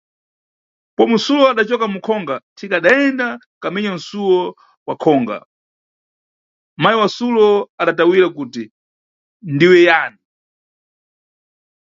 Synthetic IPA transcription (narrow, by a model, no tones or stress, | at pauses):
pɔmusulɔaɗat͡ʃɔkamukʰɔŋɡatʰikaɗaɛnda | kamɛɲan̩sulɔ | wakʰɔːŋɡa̰ | majiwasulɔaɗatawiɾak̬uːti | ndiwɛjaːni